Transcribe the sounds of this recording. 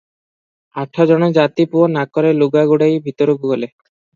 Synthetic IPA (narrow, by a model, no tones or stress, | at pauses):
aʈʰɔd͡ʒɔɽ̃ɔd͡ʒat̪ipuonakɔɾeluɡaɡuɽajbʱit̪ɔɾuɡuɡole